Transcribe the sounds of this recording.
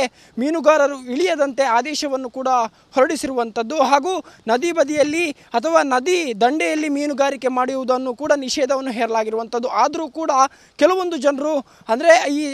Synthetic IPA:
miːnuɡaːɾɐɾuiɭijɐd̪ɐnt̪e̞aːd̪ɛːʃɐʋɐnːukuːɽɐ | hɔɾɐɽisiɾuʋɐnt̪ɐd̪ːuɦaːɡuːnɐd̪ibɐd̪ijɐlːi | ɐt̪ʰɐʋaːnɐd̪id̪ɐɳɖɛjɐlːimiːnuɡaːɾike̞maːɽiuʋud̪ɐnːukuːɽɐniʃɛːd̪ɐʋɐnːuɦɛːɾɐlaːɡiɾuʋɐnt̪ɐd̪ːuʔaːd̪ɐɾuːkuːɽɐ | kɛlɐʋo̞nd̪ud͡ʒɐnɐɾu | ɐnd̪ɐɾe̞iː

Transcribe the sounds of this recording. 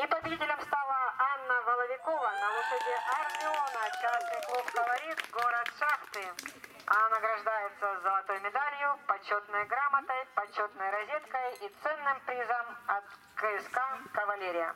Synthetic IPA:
ipəbʲɪdʲitʲɪlʲəmst̪alˠəanːəvɐlˠəvʲɪkovənɐlˠʊʂɨt̪ʲɪʔɐrmʲɪonət͡ɕasnɨjklˠupɡəvɐɾʲit̪ɡoɾət̪ʂaxt̪ɨ | ɐnɐɡɾɐʐd̪ajɪt̪səzəlˠɐt̪o̞jmʲɪd̪alʲɪjʊpɐt͡ɕo̞t̪nəjɡɾamət̪əjpɐt͡ɕo̞t̪nəjɾɐzʲet̪kəjit̪sɛnːɨmpɾʲizəmɐt̪kɨskakəvɐlʲeɾʲɪjə̰

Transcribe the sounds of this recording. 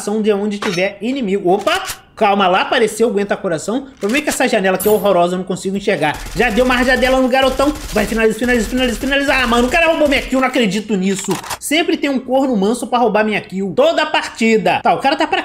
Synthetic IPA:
sɐ̃w̃d͡ʒ̪ɪaõd͡ʒɪʃt͡ʃivɛɾinĩmiɡʊopɐ | kawmɐlapaɾesewɡwẽt̪ɐkoɾasɐ̃w̃pɾobemẽt͡ʃkɛsɐʒanɛlɐkɪɛoɦoɾɔzɐñkõsiɡʊẽʃeɾɡaɾʒad̪ewumɐahʒad̪ɛlɐnʊɡaɾot̪ɐ̃w̃vajfinalizfinalizfinalizfinalizaamɐ̃nʊkaɾɐhobomĩɲakiuwñakɾed͡ʒit̪ʊnisʊsẽmpɾɪt̪ẽj̃ũkoɾnʊmɐ̃sʊpɾɐɦobaɾmĩɲakiwt̪od̪ɐapaɾt͡ʃid̪ɐt̪aʊkaɾɐt̪apɾa

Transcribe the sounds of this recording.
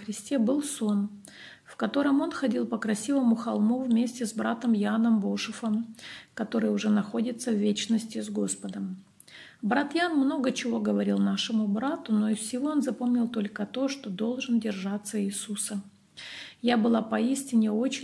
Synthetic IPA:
xɾʲɪsʲtʲe̞bɨlˠso̞n | fkɐt̪o̞ɾəmo̞nxɐdʲilˠpəkɾɐsʲivəmʊxɐlˠmuvmʲesʲtʲɪzbɾat̪əmjanəmbo̞ʂɨfəmkɐt̪o̞ɾɨjʊʐɛnɐxo̞dʲɪt̪səvʲvʲet͡ɕnəsʲtʲɪzɡo̞spəd̪əm | bɾat̪janmno̞ɡət͡ɕɪvo̞ɡəvɐɾʲilˠnaʂɨmʊbɾat̪ʊno̞ɪfsʲɪvo̞onzɐpo̞mnʲɪlˠt̪o̞lʲkət̪o̞ʂt̪o̞d̪o̞lˠʐɨndʲɪrʐat̪sːəiːsusə | jabɨlˠapɐisʲtʲɪnʲɪo̞t͡ɕɪ

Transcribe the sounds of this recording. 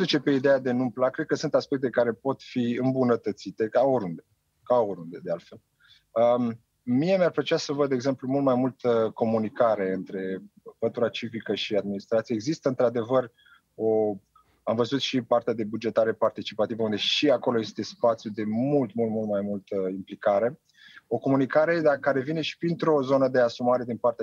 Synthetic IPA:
d̪ut͡ʃepe̞id̪ead̪e̞numplakɾed̪̚kəsunt̪aspek̚t̪e̞kaɾe̞po̞t̪fiɨmbunət̪ət̪sit̪e̞kaoɾund̪e̞ | kaoɾund̪e̞d̪ealt̪fe̞l | ə | mije̞marpɾet͡ʃiasəvəd̪dːeɡze̞mplumult̪majmult̪əko̞munikaɾe̞ɨnt̪ɾe̞pət̪uɾat͡ʃivikəʃiad̪minist̪ɾat̪sijeeɡzist̪əɨnt̪ɾad̪e̞vər | o | amvəzut̪ʃipart̪ead̪e̞bud͡ʒe̞t̪aɾe̞part̪it͡ʃipat̪ivəund̪e̞ʃiako̞lo̞je̞st̪e̞spat̪sjud̪e̞mult̪mult̪mult̪majmult̪əimplikaɾe̞ | o̞ko̞munikaɾe̞d̪akaɾe̞vine̞ʃi̥pɾint̪ɾo̞zo̞nəd̪e̞asumaɾe̞d̪inpart̪ea

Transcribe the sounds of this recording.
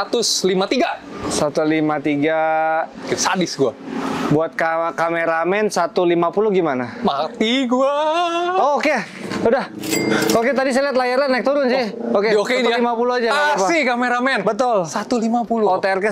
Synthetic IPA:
at̪ʊslimat̪iɡasat̪ulimat̪iɡaksadɪsɡuabuat̪̚kakameɾamɛnsat̪ulimapuluɡimanamat̪iɡua | oke | udah | oket̪adis̬ajliat̪̬̚lajaɾanːak̚t̪uɾʊnsɪhokeiokeinilimapuluad͡ʒapaɪhkameɾamɛnbət̪ʊlsat̪ulimapuluot̪eɛrkə

